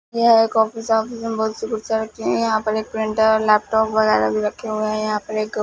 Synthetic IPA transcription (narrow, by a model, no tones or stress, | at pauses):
jɐɦeːkɔːfisɔːfisənbɔɦʊt̪ʃʊkɾsaɾɐkʰiɦɛ̃jɐɦãpɐɾeːk̚pɾɪ̃ɳʈːlɛːp̚ʈɔːpʋɐɣɛːɾa̰bʱiɾɐkʰːeɦueɦɛ̃jɐɦãpɐɾeːk̚ɡɐ